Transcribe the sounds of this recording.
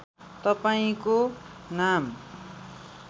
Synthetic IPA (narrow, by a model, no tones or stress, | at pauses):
t̪ʌpaĩkonam